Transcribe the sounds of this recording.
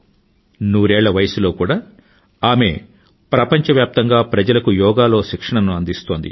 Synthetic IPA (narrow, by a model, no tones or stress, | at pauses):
nuːɾɛːɭːɐʋɐjɐsulo̞ːkuːɽaː | aːme̞ | pɾɐpɐɲt͡ʃɐʋjaːp̚t̪ɐŋɡaːpɾɐd͡ʒɐlɐkujɔːɡaːlo̞ːʃikʂɐɳɐnuɐnd̪ist̪o̞ːnd̪ḭ